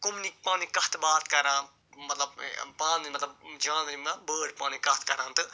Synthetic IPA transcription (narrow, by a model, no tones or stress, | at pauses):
kumnipaːnikɐt̪ʰbaːt̪kɐɾãːn | mɐt̪lɐbpãːnimɐt̪lɐbd͡ʒãːnnimɐbəːɖ̚pãːñikɐht̪ʰkɐɾãːnt̪ɨ